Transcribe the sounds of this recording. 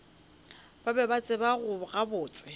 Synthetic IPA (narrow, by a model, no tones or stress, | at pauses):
b̥abɛbat͡sʼɪbaɣʊɣabʊːt͡sʼɪ